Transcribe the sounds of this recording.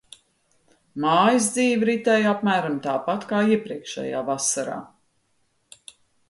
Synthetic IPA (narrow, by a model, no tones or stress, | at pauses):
maːjiz̬d̪ziːvɾit̪ɛjapmæːɾamt̪aːpat̪kaːiɛpɾiɛkʃɛ̰ja̰ːvasaɾa̰ː